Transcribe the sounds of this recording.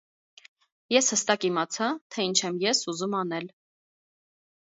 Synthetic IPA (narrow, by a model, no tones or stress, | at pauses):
jɛshəst̪ɑkimɑt͡sʰɑt̪ʰɛint͡ʃʰɛmjɛsuzumɑnɛl